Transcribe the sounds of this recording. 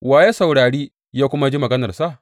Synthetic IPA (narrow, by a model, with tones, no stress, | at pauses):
waː˨jeː˦sa˨wɽaː˨ɽiː˦ | jaː˦kʷʊ˦ma˦d͡ʒi˦mɐ˨ɡɐ˦nɐ˨rsa˦˨ʔ